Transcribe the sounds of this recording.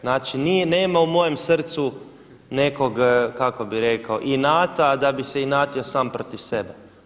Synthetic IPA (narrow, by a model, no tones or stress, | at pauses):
naːt͡ʃinijeneːmaumo̞je̞msr̩t̪su | ne̞ko̞ɡkako̞biɾe̞kaoʔinaːt̪ad̪abiseinaːt̪iosaːmpɾot̪iʋse̞be